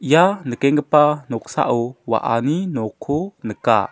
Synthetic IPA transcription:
ijanəkɛŋɡəpanɔksa̰ʔuwa̰ʔa̰ninɔkʰunəka̰

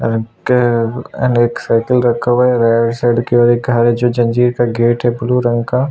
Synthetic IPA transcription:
ɾk | ɛ̰neːksaɪkəlɾɐkʰoʋeɾaːɖsɛːɖkeɔːɾek̚ɡʱaɾɦɛd͡ʒoːd͡ʒɐ̃nd͡ʒiːɾkaɡeːʈɦɛbʊluɾɐ̃ŋɡka

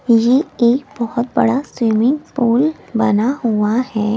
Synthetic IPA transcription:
jeeːkbɔhʊt̪bɐ̰ɽaswimɪ̃ŋɡpuːl | bɐnaɦuahɛː

